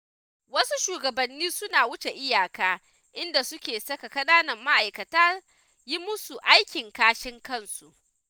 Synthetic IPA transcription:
wɐ˦su˦ʃuː˨ɡɐ˨bɐ˨nːiː˦sʊ˦naː˨wʊ˦t͡ʃe˨ʔɪ˦jaː˨kaː˦ | ʔɪ˦nda˨sʊ˦kʲeː˨sɐ˦ka˨kɐ˦ɗaː˦nɐ˨rma˦ʔa˨jkɐ˨taː˦ | ji˦mʊ˦su˨ʔa˦jkʲɪ˨ŋkaː˦ʃɪ˦ŋkɐ˦nsu˨ʔ

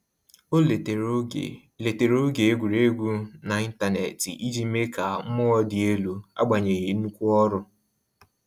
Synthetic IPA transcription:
o˦˨˦ | le˨te˨ɾo˦ɡe˨e˦ɡʷu˨ɾe˦ɡʷu˦na˨i˦n̩˦ta˦nḛ˨tḭ˨ʔi˦d͡ʒi˦me˦ka˨m̩˦mʊ˦ɔ˦dɪ˨e˦lu˨a̰˦ɡ͡ba˨ɲe˨ɣi˨˦nu˦kʷu˦ɔ˦ɾʊ˦

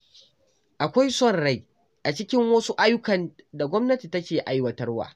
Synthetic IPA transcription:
ʔa˨kʷa˦jsɔ˦˨nɽa˨j | ʔa˨t͡ʃɪ˦kʲɪ˦ŋwɐ˦su˦ʔa˦jʊ˦kɐ˨nda˨ɡʷɔ˦mnɐ˦ti˨tɐ˦kʲeː˨ʔa˦jwɐ˦tɐ˦rwa̰ː˨

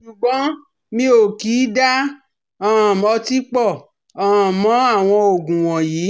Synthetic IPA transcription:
ʃu˨ɡ͡bɔ̃˨˦ | mĩ˧˦o˨kiː˨˦da˦ | a˦˨mɔ˧ti˦k͡pɔ˦˨ | a˨mɔ̃˨˦a˦˨w̃ɔ̃˧o˨ɡũ˨w̃ɔ̃˨jiː˨˦

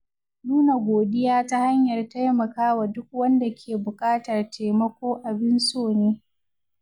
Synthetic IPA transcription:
nuː˦na˨ɡʷoː˨ɗɪ˦jaː˦ta˦ha˦ɲjɐ˨rta˦jmɐ˨kaː˦wa˨dʊ˦k̚wɐ˦nda˨kʲʰeː˨bʊ˨kʼaː˦tɐ˨rte˨mɐ˦kʷoː˦ʔa˨bɪ˦nsoː˦˨neː˦

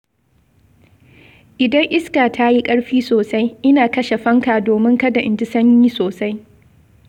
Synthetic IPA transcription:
ʔɪ˨dɐ˦ŋʔɪ˦skaː˨tʰa˦ji˦kʼɐ˦ɽɸiː˦soː˨sa˦jʔɪ˦naː˨kɐ˦ʃe˨ɸɐ˦ŋkaː˨doː˨mɪ˦ŋkɐ˦da˨ʔɪ˨nd͡ʒɪ˦sɐ˦ɲjiː˦soː˨sa˦j

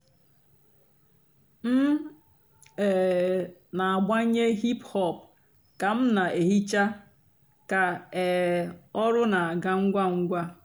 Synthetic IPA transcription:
m̩˦ | ɛ˨ | na˨a˨ɡ͡ba˦ɲe˦ɦi˦phɔ˦˨p̚ | ka˨m̩˦na˨ʔe˨ɦi˦t͡ʃa˦ | ka˨ɛ˨ɔ˦ɾʊ˦na˨a˨ɡa˦ŋ̩˦ɡʷa˦ŋ̩˦ɡʷa˦

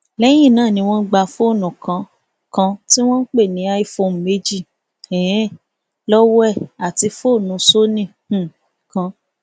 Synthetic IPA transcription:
lɛ˦j̃ĩ˦˨nãː˦˨nĩ˧w̃ɔ̃˦ɡ͡ba˧fo˦˨nũ˨kã˧ | kã˧ti˦w̃ɔ̃˦k͡pe˦˨nĩ˨˧˦a˧i˦˨fo˧m̩˨me˧˦d͡ʒi˦˨ | ɛ˨˦ | lɔ˦wɔ˦ɛ˦˨a˨ti˧fo˦˨nũ˨˧˦so˦nĩ˦˨˦ | kã˨˧

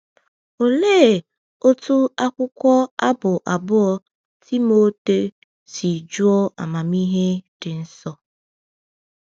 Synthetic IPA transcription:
o˨leː˦˨ | o˦tu˦a˦kʷʊ˦kʷɔ˦a˦bʊ˨ʔa˨bʊ˦ɔ˦ | tʰi˦mo˦te˦ | si˨d͡ʒu˦ɔ˦a̰˨ma˨mi˦ɦe˦d̥ɪ˨n̩˦sɔ˦

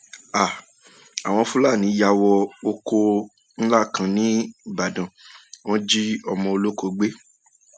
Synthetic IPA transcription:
a˨ | a˨w̃ɔ̃˧fũ˦la˦˨nĩ˨˦ja˧wɔ˧o˧ko˧ | n̩˦la˦˨kã˧nĩ˦i˨ba˨dã˨w̃ɔ̃˦d͡ʒi˦ɔ˧mɔ̃˧o˧lo˦ko˧˦ɡ͡be˦

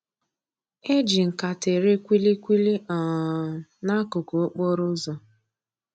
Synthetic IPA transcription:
e˦d͡ʒi˨ŋ̩˨ka˨te˨ɾe˦kʷi˦li˦kʷi˦li˦ʔɔ˨ | na˦kʊ˨ko˨o˦k͡pɔ˦ɾʊ˦zɔ˨

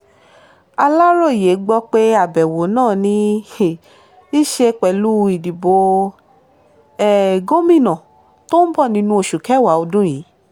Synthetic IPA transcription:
a˧la˦ɾɔ˦˨i˨je˨˦ɡ͡bɔ˧˦k͡pe˦a˦˨bɛ˨wo˨˦nãː˦˨nĩ˧ | i˦ʃe˧k͡pɛ˨lu˦i˨di˨bo˧˦ | ɛ˨ɡo˦mĩ˦˨nã˨ | to˦n̩˦bɔ˦˨nĩ˧˦nũ˧˦o˧˨ʃu˨kɛ˨˦˨wa˨˦o˧dũ˦jiː˨˦

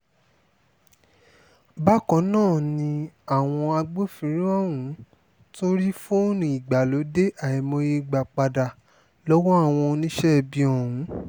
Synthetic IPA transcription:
ba˦kɔ̃˨˦nãː˦˨nĩ˧a˦˨w̃ɔ̃˧a˧ɡ͡bo˦fĩ˨˦ɾĩ˦ɔ˦wũ˨˦ | to˦ɾi˦fũ˦o˦nũ˧˦i˨ɡ͡ba˨lo˨˦de˦ʔa˨ɛ˨mɔ̃˧je˧ɡ͡ba˨k͡pa˧da˨ | lɔ˦wɔ̃˦a˦˨w̃ɔ̃˧nĩ˦ʃɛ˦˧bi˧ɔ˨wũ˨˦

